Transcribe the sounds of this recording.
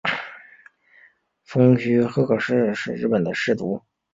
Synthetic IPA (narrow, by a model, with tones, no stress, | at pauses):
fɤ˥ŋt͡ɕʰy˥xɤ˥kʰɤ˨˩ʂɻ̩˥˧ʂɻ̩˥˧ɻ̩˥˩pə˨˩nd̪ə˦ʂɻ̩˥˩t̪u˧˥